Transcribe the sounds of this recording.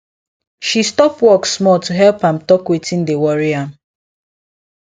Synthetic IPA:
ʃistɔpwɔksmɔltuɦɛlpãmtɔkwetĩndewɔɹiãm

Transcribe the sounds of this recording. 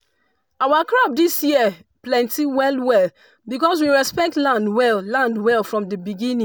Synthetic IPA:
awakɹɔb̚disjiə | plɛ̃ntiwɛlwɛl | bikɔs̬wiɹɛspɛk̚tlãndwɛllãndwɛlfɹɔ̃mdəbiɡĩnĩ

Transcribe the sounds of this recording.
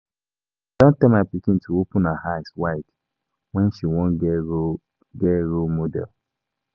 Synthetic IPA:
d̥ɔ̃ntɛmapikĩn̩tuopunahajswait | wɛn̩ʃiwɔ̃n̩ɡ | ɡɛɾomodɛ̰l

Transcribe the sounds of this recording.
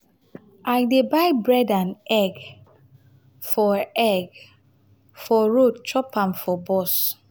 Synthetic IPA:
ʔajdebajbɹɛdãnɛɡ | fɔɛɡ | fɔɹott͡ʃʰɹɔpãmfɔbɔs

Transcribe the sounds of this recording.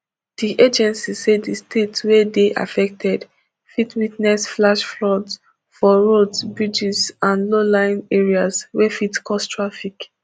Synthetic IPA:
d̥iʔed͡ʒɛ̃nsisedistʰetwɛdeʔa̰fɛk̚tʰɛd | fitwitnɛsflaʃflɔds | fɔɹodsbɹid͡ʒizãnlolãɪ̃neɹiazwɛfitkɔstɹafik

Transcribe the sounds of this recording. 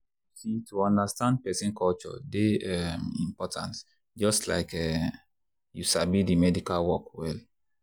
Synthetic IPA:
sitʰuɔ̃ndastãnd̚pɛsĩnkʰɔlt͡ʃɔ̰deɛmḭ̃mpɔtʰã̰ns | d͡ʒɔstla̰ɪkɛ | jusabidimɛdikalwɔkwɛl

